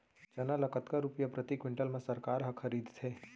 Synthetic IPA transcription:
t͡ʃɐnalɐkət̪kaɾupijapɾət̪ikwɪ̃ɳʈəlmẽsɐɾkaːɾɦɐ̃kʰɐɾiːd̪ʱt̪ʰeː

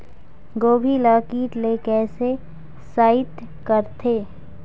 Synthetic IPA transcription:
ɡoːbʱilaːkiːʈleːkɛːse | saːɪt̪ | kəɾt̪ʰeː

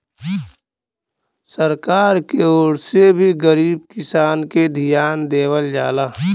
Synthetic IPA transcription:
səɾkaːɾkeoːɽsebʱiɡəɾiːb̚kɪsaːnked̪ʱijaːnd̪eːwəld͡ʒaːlaː

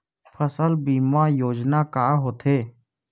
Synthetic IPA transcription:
pʰəsəlbiːmajoːd͡ʒnakaːɦoːt̪eː

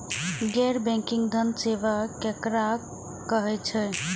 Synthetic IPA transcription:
ɡɛɾbɛ̃ŋkiŋɡd̪ʱənseʋakekɾa | kːəɦɛt͡ʃʰɛ

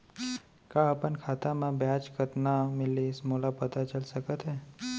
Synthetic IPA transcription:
kaəpənkʰaːt̪amẽbjaːd͡ʒkət̪namɪlismolapət̪at͡ʃəlsəkət̪ɦɛː

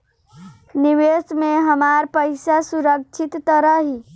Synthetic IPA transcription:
nɪʋeːsmẽɦəmaːɾpəɪsasuɾək̚t͡ʃʰɪt̪ːəɾəɦɦiː

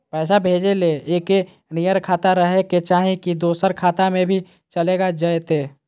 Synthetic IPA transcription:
pɛːsabʱeːd͡ʒeleeːke | nijəɾkʰaːt̪aɾəɦeket͡ʃaːɦẽkid̪oːsəɾkʰaːt̪amẽbʱi | t͡ʃəleːɡad͡ʒəjet̪eː

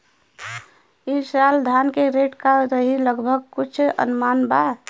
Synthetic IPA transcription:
isald̪ʱankeɾeʈkaɾəɦiləɡbʱəɡ̚kut͡ʃʰə̰nʊmaːnba

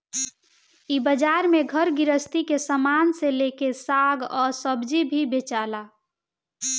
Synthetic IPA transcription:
ibəd͡ʒaɾmeɡʱəɾɡiɾəst̪ikesəmanselekesaɡɔɾsəbd͡ʒibʱibet͡ʃala

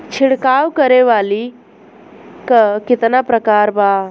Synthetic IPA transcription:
t͡ʃʰɪɽkaːwkəɾeʋaːli | kəkɪt̪napɾəkaːɾbaː

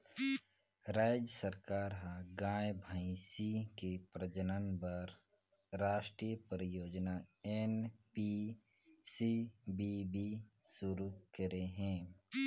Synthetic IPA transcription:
ɾaːd͡ʒjəsəɾkaːɾɦãɡãːjbʱaĩsikepɾəd͡ʒənənbəɾ | ɾaːʃʈɾiːjəpɾəjoːd͡ʒnaenpi | sibibisʊɾukəɾeɦɛ̃ː

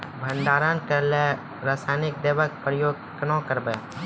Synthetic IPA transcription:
bʱənd̪aːɾankəɾle | ɾaːsaːnɪk̚d̪eːʋək̚pɾəjoːɡ | kənõkəɾbəj

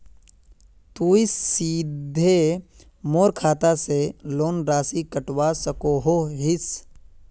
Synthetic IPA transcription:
t̪uːɪsːiːd̪ʱe | moːɾkʰaːt̪aseloːnɾaːsikəʈwasəkoɦoɦɪs

